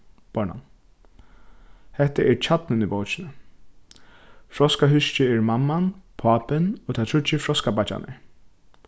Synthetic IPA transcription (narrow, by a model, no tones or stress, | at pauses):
b̥ɔɳa̰n | hɛht̪aʔɛɹt͡ɕʰat̪nɪnibowt͡ʃɪnə | fɾɔskaɦʏʃt͡ʃɪɛɹmamːanpʰaːpɪnɔːt̪ʰat̪ʰɹʏt͡ʃːɪfɾɔskabat͡ʃa̰nɪ̰